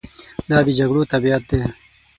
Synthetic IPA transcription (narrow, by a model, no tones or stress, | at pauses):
d̪ɑːd̪əd͡ʒaɡɽot̪abijat̪̚d̪e